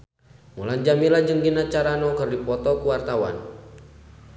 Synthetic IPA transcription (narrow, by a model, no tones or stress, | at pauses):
muland͡ʒamilad͡ʒəŋɡinat͡ʃaɾanɔkɨrdipɔt̪ɔkuwart̪awa̰n